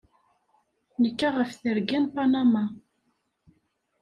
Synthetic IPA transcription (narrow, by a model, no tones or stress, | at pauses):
nəkːaʁəfθəɾɡinpanama